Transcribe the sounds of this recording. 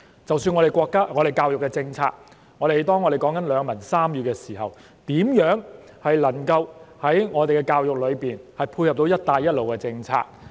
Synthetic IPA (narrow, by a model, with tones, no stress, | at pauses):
t͡sɐ˨wsyː˧nŋɔ˨˧ɾe˨˩jkʷɔː˧kːaː˥ŋɔː˨˧ɾe˨jkaː˧wjʊ˨kːɛ˧t͡sɪ˧ŋt͡sʰa̰ː˧k̚ | ŋɔː˨˧ɾe˨jt̪ɔː˥ŋɔː˨˧ɾe˨jkɔː˨˥ŋkɐ˨˥nlœː˨˧ŋmɐ˨˩nsaː˥mjyː˧kɛː˧siː˨˩ɦɐ̰˨w | t̪iː˨˥mjœː˨˥ŋ | hɐ˨jlɐ˨˩ŋkɐ˧whɐ˨˥jŋɔː˨˧t̪e˨jkɛ˧kaː˧wjʊ˨k̚lɵ˨˧ɥpiː˨nhɐ˨jpʰu˧jhɐ˨p̚t̪wjɐ˥t̚t̪aː˨˧jːɐ˥t̚lo˨wkɛ˧t͡sɪ˧ŋt͡sʰa̰ː˧k̚